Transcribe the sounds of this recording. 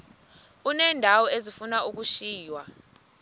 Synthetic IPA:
unɛːndʱawɔezifunauk̬uʃiːjwa

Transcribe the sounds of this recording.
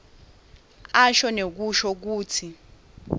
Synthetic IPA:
aʃɔnek̬uʃɔk̬uːtʰi

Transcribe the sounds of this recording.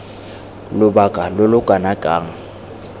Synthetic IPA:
lʊbakʼalʊlʊkʼanakʼaːŋ̩

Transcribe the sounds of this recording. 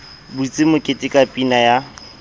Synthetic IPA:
but͡sʼɪmʊkʼɪtʼɪkʼapʼinaja

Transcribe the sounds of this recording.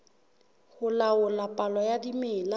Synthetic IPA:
hʊlaʊlapʼalɔjadimɪːla

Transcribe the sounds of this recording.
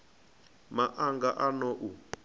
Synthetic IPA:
maʔaŋɡaʔanɔʔu

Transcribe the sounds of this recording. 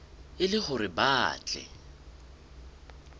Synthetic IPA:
ɪlɪχʊɾɪbaːt͡ɬʼɛ̰

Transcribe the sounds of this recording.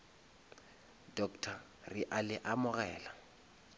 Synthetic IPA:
dɔktʰa | rɪʔalɪʔamʊɣɛːla

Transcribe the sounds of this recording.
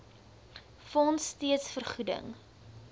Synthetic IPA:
fɔnsːtiətsfərχudə̰ŋ

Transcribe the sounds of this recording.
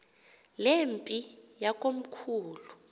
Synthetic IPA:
lempʼijakʼom̩kʰuːlu

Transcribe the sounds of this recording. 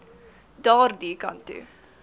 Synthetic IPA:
daːɾd̪iːka̰nt̪y̰

